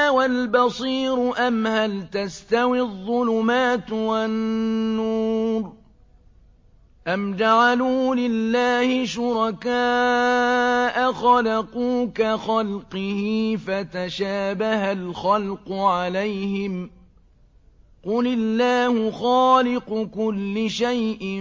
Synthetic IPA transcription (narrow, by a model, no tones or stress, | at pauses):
walbɑsˤiːɾʊʔamhalt̪ast̪awiðˤːʊlʊmaːt̪wanːuːɾ | ʔamd͡ʒaʕaluːlɪlːaːhɪʃʊɾˤɑkaː | ʔaxɑlaquːkaxɑlqɪhiːfat̪aʃaːbahalxalqʊʕalajhɪm | qʊlɪlːaːhʊxaːlɪqʊkʊlːɪʃajʔɪ